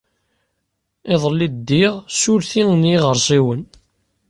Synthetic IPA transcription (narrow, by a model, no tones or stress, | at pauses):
ɪðˤəlːid̪d̪ːiʁsʊɾθiŋnjiʁəɾˤsˤiwən